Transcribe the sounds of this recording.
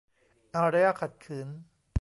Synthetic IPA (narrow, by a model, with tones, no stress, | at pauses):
ʔa˧ɾa˦ja˥˩kʰa˨˩t̪̚kʰɯː˩˦n